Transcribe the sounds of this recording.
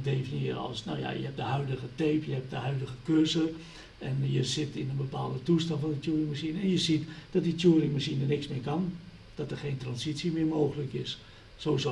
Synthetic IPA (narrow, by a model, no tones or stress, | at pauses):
deːfənjiəɔ̰lˠsno̰wja̰jəhɛp̚dəhœɥdəɣəteːpjəhɛp̚dəɦœɥdəɣəkøzə | ɛnjəzɪtɪnənbəpa̰ːlˠdətustɑntfɔnditjuərɪŋmasinɛnjəzitd̥ɔt̚ditʰjuərɪŋmasinənɪksmɪkɔn | d̥ɔtərxeːntrɔnsitsjəmɪrmoːɣələkɪsː | oːzo